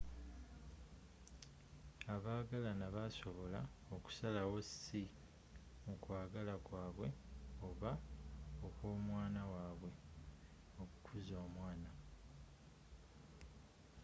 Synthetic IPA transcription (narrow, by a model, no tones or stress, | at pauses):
aβaːɡalanaβaso̞βo̞la̰ | o̞ku̥salawo̞si | mukwaːɡalakwaːβwe̞o̞βaokwo̞ːmwaːnawaːβwe̞ | o̞ku̥kʰuzoːmwaːna